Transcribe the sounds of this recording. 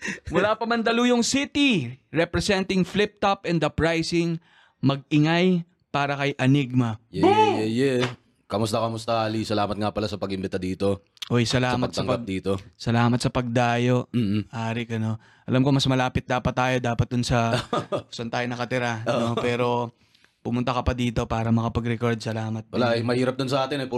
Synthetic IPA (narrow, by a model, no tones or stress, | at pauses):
mʊlaːpɐmɐnd̪ɐlujʊŋsit̪iɹɛpɾɛsɛnt̪ɪŋflɪp̚t̪ɐpɛnd̪ɐpɹajsɪŋ | mɐɡ̚ɪŋaj | paːɾɐkɐjʔɐniɡ̚mɐjɛjɛjɛ | kɐmʊst̪ɐkɐmʊst̪ɐalisɐlaːmɐt̪̚ŋapɐlasɐpɐɡɪmbɛnt̪ɐd̪iːt̪o̞ | ʔojsɐlaːmɐɡ̪sɐŋɡpɐɡɐap̚d̪iːt̪o̞sɐlaːmɐt̪sɐpɐɡ̚d̪aːjo̞ʔ̩ʔaːɾɪkɐno̞ | ʔɐlamkomɐsmɐlaːpɪt̪̚d̪aːpɐt̪̚ːaːjo̞d̪aːpɐt̪̚d̪ʊnsɐʊsɐnt̪aːjonɐkɐt̪ɪɾano̞pɛːɾo̞ | pʊmʊnt̪ɐkɐpɐd̪iːt̪o̞paːɾɐmɐkɐpɐɡɾɛko̞ɾd̪̚sɐlaːmɐt̪̚wɐlaʔɐjmɐhiːɾɐp̪̚ʊnsɐʔaːt̪ɪnɐjpu